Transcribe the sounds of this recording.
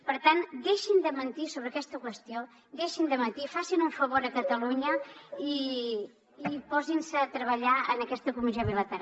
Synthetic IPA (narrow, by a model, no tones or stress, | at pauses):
pəɾt̪and̪eʃind̪əmənt̪isoβɾəkɛst̪əkwəst̪io | d̪eʃind̪əmənt̪ifasinuɱfəβoɾəkət̪əluɲəiː | pɔzinsəːt̪ɾəβəʎaənəkɛst̪əkumizoβilət̪əɾ